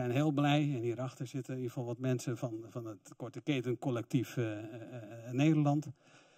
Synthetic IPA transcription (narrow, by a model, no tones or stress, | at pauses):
ɛjnɦeːəlˠblɛjɛnhiəɾaxtəsɪtəiəfɔlˠʋɔtmɛnsəfɔnfɔnətkɔɹtəkeːtənkɔlɛk̚tif | neːdərlɑnt